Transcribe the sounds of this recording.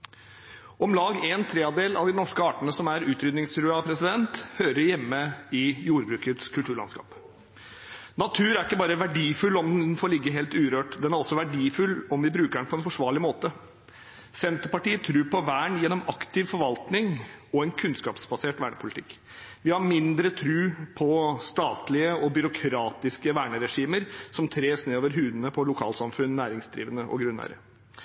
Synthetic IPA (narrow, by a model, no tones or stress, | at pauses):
ʔɔmlɑːɡɛnt̪ʰɾeːɑd̪eːlɑ̰ʋd̪ɪnɔʂkəɑːʈənəsɔmæɾʉːt̪ɾʏd̪nɪŋst̪ɾʉːɑpʰɾɛsɪd̪ɛnt̪høːɾəɾjɛmːəɪjuːɾbɾʉːkət̪skʰʉlt̪ʉːɭɑ̰nskɑ̰ːp | nɑt̪ʰʉːɾæɾɪkːəbɑːɾəʋæɖiːfʉlːɔmd̪ɛnnfɔːɾlɪɡːəɦeːlt̪ʉːɾøːʈd̪ɛnæɾɔsːɔʋæɖiːfʉlːɔmʋɪbɾʉːkəɛɳpʰɔɛnfɔʂʋɑːɭɪmoːt̪ə | sɛnt̪əɾpɑʈiːət̪ʰɾʉːpʰɔʋæːɳjɛnːɔmɑkt̪ɪʋfɔɾʋɑlt̪nɪŋɔɛnkʰʉnskɑːpsbɑseːʈʋæːɳəpʰʊlɪt̪ʰɪkː | ʋɪhɑɾmɪnd̪ɾət̪ʰɾʉːpʰɔst̪ɑːt̪lɪəɔbʏɾʊkʰɾɑːt̪ɪskəʋæːɳəɾɛʂiːməɾsɔmt̪ʰɾeːsneːoːʋəɾɦʉːd̪nəpʰɔlʊkʰɑ̰ːlsɑmfʉnnæːɾɪŋsd̪ɾḭːʋənəʔɔ̰ɡɾʉnːæ̰ːɾə̰